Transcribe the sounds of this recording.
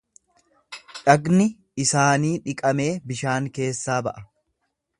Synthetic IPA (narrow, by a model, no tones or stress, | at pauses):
ᶑɐɡnɪ | ɪsaːniːᶑɪkʼɐme̞ːbɪʃaːŋke̞ːsːaːbɐ̰ʔɐ